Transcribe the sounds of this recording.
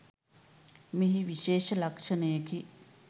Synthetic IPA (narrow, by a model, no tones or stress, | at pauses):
miɦiʋiʃeːʃɐlɐkʂɐnəjəki